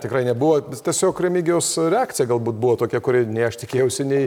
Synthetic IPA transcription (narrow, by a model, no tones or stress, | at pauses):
t̪ʲɪkrɐɪnʲɛbuʋoːt̪ʲiɛsʲoːkɾʲɛmʲiːɡʲɪjoːsɾʲɛaːktt͡sʲɪjɛɡɐlˠbuːt̪̚buʋoːt̪oːkʲɛkʊɾʲɪnʲɛɪɐʃt̪ʲɪkʲeːjɛʊsʲɪnʲɛɪ